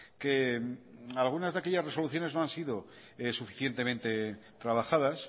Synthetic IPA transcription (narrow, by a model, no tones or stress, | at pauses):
ke | alɣ̞unazðakeʎasre̞so̞luθjo̞ne̞zno̞ansiðo̞ | esufi̥θjent̪e̞mẽnt̪e̞t̪ɾaβ̞axaðas